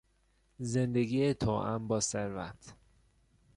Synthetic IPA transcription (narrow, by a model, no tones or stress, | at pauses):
zend̪eɡiːet̪ʰoːʔæ̰mbɒːseɾvæ̰t̪ʰ